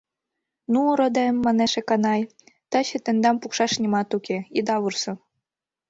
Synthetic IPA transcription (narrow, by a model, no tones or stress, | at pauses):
nuɾod̪emːɑneʃĕkɑnɑj | t̪ɑɕɘ̆t̪ĕnd̪ɑmpukʃɑʃnʲimɑt̪ukʲeid̪ɑβursɤ̆